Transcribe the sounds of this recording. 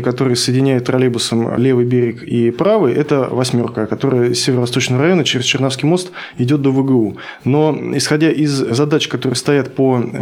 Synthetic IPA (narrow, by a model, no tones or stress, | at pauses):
kɐt̪o̞ɾɨjəsəjɪdʲɪnʲæjʊt̪ːrɐlʲebʊsəmlʲe̞vɨjbʲeɾʲɪkipɾavɨjʔɛt̪əvɐsʲmʲo̞rkəkɐt̪o̞ɾəjəsʲːevʲɪɾəvɐst̪o̞t͡ɕnəvəɾɐjo̞nət͡ɕɪɾʲɪst͡ɕɪrnafs̬kʲɪjmo̞st̪ | ɪdʲo̞t̪̚d̪ovɨɡɨu | no̞ɪsxɐdʲaʔɪzzɐd̪at͡ɕkɐt̪o̞ɾɨjəst̪ɐjat̪̚po